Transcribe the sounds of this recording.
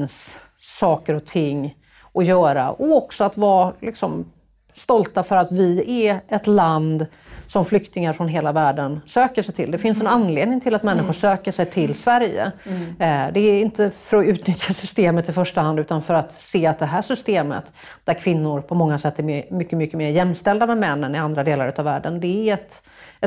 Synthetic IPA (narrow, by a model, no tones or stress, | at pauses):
nsː | ɑːkəɾɔt̪ʰɪŋː | ʔɔjœːɾa̰ʔɔɔksɔat̪vɑːlɪksɔm | st̪ɔlt̪afœɾat̪vɪæɛt̪land̪ | sɔmflʏkt̪ɪŋaɾfɾɔnɦeːlavæːɖənsøːkəʂɛjʈ̪ʰɪ̰ld̪ɛfɪnsɛnanleːd̪nɪŋt̪ʰɪlat̪mɛnːɪɧʊʂøːkəʂɛjt̪ʰɪlːsvæɾjə̰ | d̪ɛːɪnt̪əfœɾɔʉ̟ːt̪nʏt̪ʰjasʏst̪eːmət̪ɪfœʂʈahand̪ʉːt̪anfœɾat̪seːat̪̚d̪ɛɦæːʂʏst̪eːmə̰t̪ | d̪æɾkʰvɪnːʊɾpʰɔmɔŋːasɛt̪ːæmʏkːəmʏkːəmeːɾjɛmːst̪ɛld̪amɛmɛnːənɪand̪ɾad̪eːlaɾʉ̟ːt̪avæ̰ːɖənd̪ɛːɛt̪ | ɛ